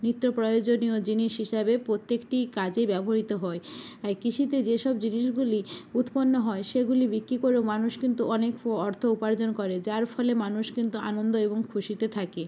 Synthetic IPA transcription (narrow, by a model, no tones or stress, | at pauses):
nit̪ːɾopɾojod͡ʑoniod͡ʑiniʃɦiʃabepɾot̪ːekʈikad͡ʑebɛboɾit̪oɦɔeaɾkiʃʰit̪ed͡ʑeʃɔbd͡ʑiniʃɡuliut̪ponːoɦɔeʃeɡulibikːɾikoɾewmanuʃkint̪uɔnekɔɾt̪ʰoupaɾd͡ʑonkoɾed͡ʑaɾfɔlemanuʃkint̪ua̰nond̪oeboŋkʰuʃit̪et̪ʰake